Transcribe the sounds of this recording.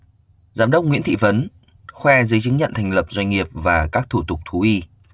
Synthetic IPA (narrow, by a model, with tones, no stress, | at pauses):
zaː˨˦mɗə˦˥wk͡p̚ŋḭ˧˥ənt̪ʰḭ˧˨və˨˦n | xwɛ˧zə˨˦jt͡ɕɨ˨˦ŋɲə̰˧˨nt̪ʰɛ˨˩jŋlə˨˩p̚zwa˧jŋ̟ŋi˨˩əp̚vaː˨˩kaː˦˥k̚t̪ʰu˧˩t̪ʊ˨˩k͡p̚t̪ʰu˨˦ʔi˧